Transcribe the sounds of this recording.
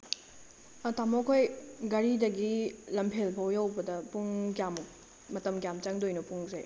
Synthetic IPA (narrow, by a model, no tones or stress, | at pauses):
tamokʰojɡɐɾidɐɡilɐmpʰelpʰawjawbɐdɐpuŋkjam | mɐtɐmkjamt͡ʃɐŋdojnupuŋzḛ